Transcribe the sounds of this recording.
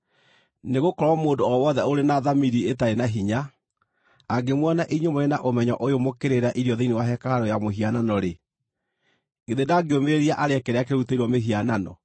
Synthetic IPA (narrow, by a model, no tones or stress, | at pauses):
neɣokɔɾwamoːndoɔwɔðɛoɾenaðamiɾietaɾenaɦiɲaː | ɡemwanaʔeɲomoɾenaʔomɛɲɔʔojomokeɾeɾaʔiɾjɔðeinewaɦɛkaaɾɔjamoɦiananɔɾe | ɡeðedaɡeomeeɾiaʔaɾeɛkeɾɛakeɾuteiɾwɔmeɦiananɔ